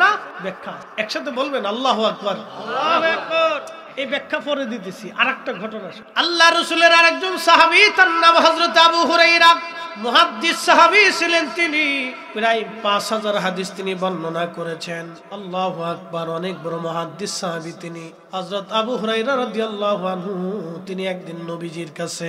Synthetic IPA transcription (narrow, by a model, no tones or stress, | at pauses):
nabɛkʰːa | ɛkʃat̪ʰebolbenɐlːaɦuakbaɾ | ejbɛkʰːapoɾed̪it̪̬esʰiʔa̰ɾɛk̚ʈaɡʱɔʈonaʃaɐlːaɾusuleɾaɾɛk̚d͡ʑonsaɦabit̪anːabɦɐzɾot̪ɐbuɦuɾajɾamɔɦad̪ːisːaɦabisʰilent̪ini | piɾajpãsɦazaɾɦad̪ist̪inibɔnːonakoɾet͡ɕʰen | ɐlːaɦuak̚baɾɔnek̚bɔɾomɔɦad̪ːisːaɦabit̪ini | hɐzɾot̪ɐbuɦuɾajɾaɾɐd̪ijalːaɦuanɦut̪iniɛk̚d̪inːobid͡ʑiɾkat͡ɕʰe